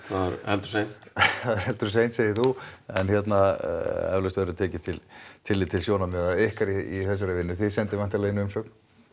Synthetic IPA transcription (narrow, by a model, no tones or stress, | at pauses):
θaðaɾɛ̰lt̪ɾ̥sejnθaðɾɛlt̪ʏɾs̬ejnt̪seːjɪθuɛ̰nçjɛt̪naɛ̰vlœst̪vɛɾʏt̪ʰɛːcɪt̪ʰɪlt̪ʰɪlːɪt̪ʰːɪlsjownamɛðaehkaɾiiθɛs̬ːaɾʏvɪnːʏθɪðsɛnt̪ɪɾvan̥t̪alajɪnʏmsœːkn̥